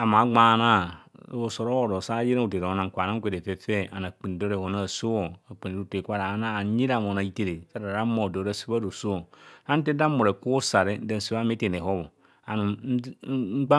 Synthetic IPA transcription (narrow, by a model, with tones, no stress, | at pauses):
a˨ma˨˦ɡ͡ba˦˨˦na˦˨o˨so˨ɾo˦wo˨ɾo˨sa˦ji˦ɾa˦u˨te˨ɾo˨o˨˦na˨ŋ̩˨kʷa˨na˦kʷe˨de˨fe˦fe˦a˨na˨k͡pi˨n˨do˦ɾe˨ho˨na˦˨so˦wo˨a˨k͡pi˨n˨u˦˨te˨kʷa˦ɾa˨˦na˦˨˦ɲi˦ɾa˨m˨o˨na˨i˦te˨ɾe˨sa˦ɾa˨ɾa˦mo˨do˨ɾa˦˨su˦ba˦do˨so˦o˨ha˦n̩˦te˦da˦mu˨ɾe˨ku˦sa˨ɾe˦n̩˦da˦˨n˨su˨˦a˦me˦te˨ne˨ho˦βo˨ | a˨nu˨˦ŋ͡m̩˦k͡pa˦